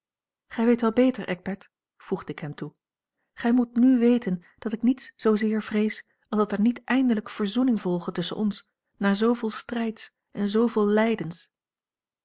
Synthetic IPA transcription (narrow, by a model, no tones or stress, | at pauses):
χɛjʋejtʋɛlˠbejtəɹʔɛ̰ɡ̚bɛɹt | v̥ruχdəɪkɦɛmtu | χɛjmutnyʋejtən | d̥ɑtɪknitsz̥owzɪːɹv̥rejs | ɑlˠzdɑtɛɹnitʔɛjndələkfəɹzunɪŋvɔlˠχətɵsə̰nʔɔns | naːɹzowvɪːlˠstrɛjts | ɛnzowvɪːlˠlɛjdəns